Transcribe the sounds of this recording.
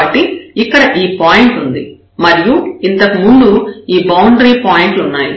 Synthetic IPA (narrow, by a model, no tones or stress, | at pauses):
ɐʈːiikːɐɽɐʔiːpaːjiɳʈund̪i | mɐɾijuint̪ɐkimund̪uiːbɐwuɳɖɾiːpaːjiɳʈunːaːjḭ